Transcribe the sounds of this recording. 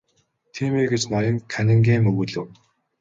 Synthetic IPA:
t̪ʰiːmeːɡet͡ɕnaɾʲɪ̆ŋkʰænʲɪ̆ŋɡʲeːmɵɣɵ̆ɮɘ̆w

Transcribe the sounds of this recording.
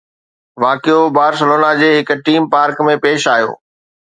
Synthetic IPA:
ʋaːkijobaːɾs̬əloːnad͡ʑeːɦɪk̆ʈiːmpaːɾkmẽpeːʃaːjo̰ː

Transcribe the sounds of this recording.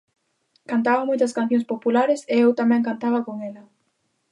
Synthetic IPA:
kant̪aβɐmojt̪ɐskan̟θjõŋspopulaɾeseewt̪amɛ̃ŋkant̪aβɐkoŋɛlɐ

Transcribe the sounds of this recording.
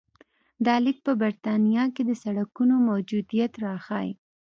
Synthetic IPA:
d̪ɑlɪk̚pəbaɾt̪ɑnijɑked̪əsaɽakunomawd͡ʒud̪ijat̪ɾɑxɑjḭ

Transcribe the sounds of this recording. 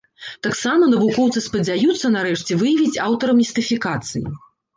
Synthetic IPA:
t̪aksamɐnɐvukɔwt̪sɨspɐd͡zʲajut̪sːɐnaɾɛʂt͡sʲɛvɨjɐvʲit͡sʲawt̪ɐɾɐmʲist̪ɨfʲikat̪sɨjḭ

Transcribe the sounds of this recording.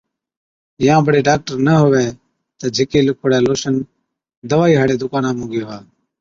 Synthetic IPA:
jãːbʱəɽeːɖaːk̚ʈəɾnəɦʊʋeː | t̪əːd͡ʒʱɪkeːlʊkʰoːɽɛːloːʃən | d̪əʋaːiːɦəɽeːd̪ʊkaːnãːmũːɡeːɦaː

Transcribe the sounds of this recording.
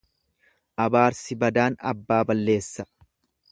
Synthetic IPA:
ʔɐbaːɾsɪbɐd̪aːnɐ̰bːaːbɐlːe̞ːsːɐ

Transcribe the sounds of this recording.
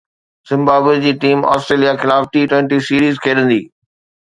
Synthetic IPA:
z̥ɪ̃mbaːbed͡ʑiːʈiːma̰ːsʈɾeːlijakʰɪlaːfʈiʈwɛ̃ːɳʈisiːɾiːzkʰeːɗə̃nd̪iː

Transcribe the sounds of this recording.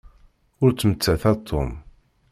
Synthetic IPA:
ʊɾt͡sːmət͡sːæθɑt̪ʰːo̰m

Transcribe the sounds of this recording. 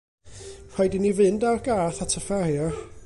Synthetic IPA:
r̥ɔjdinivɨndawrɡaːθatʰəfajɔ

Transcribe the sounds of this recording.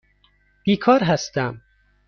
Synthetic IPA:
b̥iːkʰɒːɾɦæst̪æm

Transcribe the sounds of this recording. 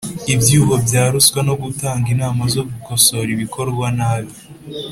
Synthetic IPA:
ibjuːβo̞bjaːɾuskwano̞ɡutaːŋɡinaːmazo̞ɡukoso̞ɾiβikʰo̞ɾɡwanaβi

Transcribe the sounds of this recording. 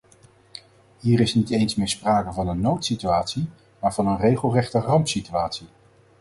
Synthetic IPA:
ɦiːɾɪsnitejnsmɪːɹspraːkəvɑnənːowtsityaːtsi | maːɹvɑnənrejχəlˠrɛχtərɑmpsityaːtsi

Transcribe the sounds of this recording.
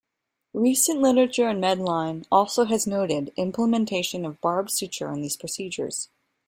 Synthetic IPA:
ɹisɨ̃nʔlɪɾə˞ɨt͡ʃə˞ɨ̃nmɛdˡlãɪ̃nɔlˠsoʊɨznoʊɾɪɾɪ̃mpləmɨ̃ntʰeɪʃɨ̃nʌvbɑɹbsʉt͡ʃə̰˞ɨ̃nðiz̥pʰɹ̥ɨsid͡ʒə̰˞z̥

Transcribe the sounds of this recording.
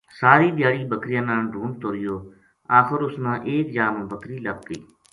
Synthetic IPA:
saːɾiːd̪jaːɽiːbəkɾɪjãːnãːɖʱuːmt̪oːɾɪjoː | aːxəɾʊsnãːʔeːkd͡ʒaːmõːbəkɾiːləb̚kḭː

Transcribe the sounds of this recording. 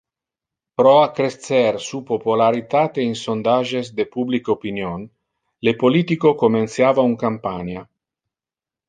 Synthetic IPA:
pɾɔakɾest̪sɛɾsupopulaɾit̪at̪einsond̪aʒesd̪epublikopinjon | lepolit̪ikokomẽnt̪sjaːvauŋkampaɲa

